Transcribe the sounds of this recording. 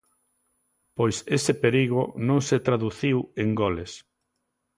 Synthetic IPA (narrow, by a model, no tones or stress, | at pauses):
pojsesepeɾiɣonõŋset̪ɾaðuθiweŋɡoles